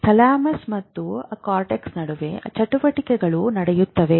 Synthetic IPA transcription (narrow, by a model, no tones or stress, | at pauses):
sɐlaːmɐsmɐt̪ːuɐkaːɾʈeksnɐɽuʋe̞t͡ʃɐʈuʋɐʈikɛɡɐɭunɐɽɛjut̪ːɐʋe